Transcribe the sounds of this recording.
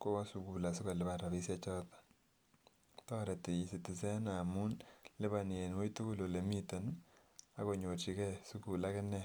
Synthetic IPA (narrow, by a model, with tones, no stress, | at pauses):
ko˦wa˦su˨ku˨la˨sʊ˦ka˨lɪ˨ba˦˨ɾa˨βi˦sa˦t͡ʃɔ˦tḁ˦ | tɔ˦ɾɛ˨te˨i˨sɪ˨tɪ˨sɛ˦na˨mu˦nlɪ˦ba˨n˨e˨nwo˦jtu˦ku˦lo˨le˨mi˦tɔ˨n | a̰˨ko˨ɲo˨t͡ʃi˨kɛ˦su˦ku˨la˦kɪ˦nɛ˦